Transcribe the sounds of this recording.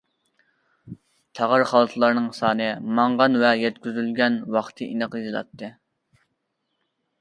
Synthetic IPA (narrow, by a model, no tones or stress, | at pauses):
t̪ʰɑʁɑɾχɑlˠɨt̪ʰlˠɑɾnɨŋsɑːnɨmɑŋʁɑnvɛjɛt̪kʲyzylɡʲɛnwɑχt̪ʰɨʔinɨqizɨlˠɑ̰t̪ːɨ